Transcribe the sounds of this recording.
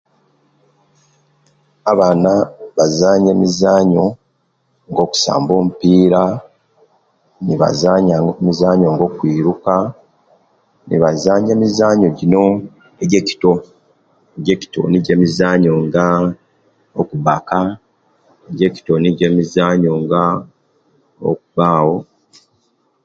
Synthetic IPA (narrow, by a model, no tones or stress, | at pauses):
aβaːnaβazaːɲe̞ːmizaːɲo̞ | ŋɡo̞ːku̥sa̰ːmbo̞ːmupiːɾa | niβa̰zaːɲamizaːɲoŋɡo̞ːkwiːɾuka | nḭβazaːɲe̞ːmizaːɲoɟino̞ | eɟeci̥to̞ | eɟe̞ːci̥to̞̰niɟe̞ːmizaːɲoŋɡa | okuβaka | eɟe̞ci̥to̞niɟe̞ːmizaːɲo̞ŋɡa | o̰k̚uβaːwo̞